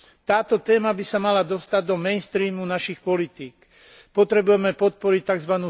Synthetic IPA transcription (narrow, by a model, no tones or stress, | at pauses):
t̪aːt̪ɔt̪ɛːmabisamalad̪ɔst̪aɟd̪ɔmɛnst̪ɾiːmunaʃixpɔlit̪iːk | pɔt̪ɾɛbujɛmɛpɔt̪̚pɔɾic̚t̪aɡzʋanuː